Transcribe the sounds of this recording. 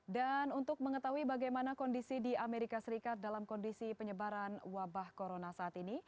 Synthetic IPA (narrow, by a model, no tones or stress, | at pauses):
danunt̪ʊk̚məŋət̪aɦuibaɡajmanakɔndisidiameɾikasəɾikat̪̚dalamkɔndisipəɲəbaɾanwabahkoɾonasaːt̪ini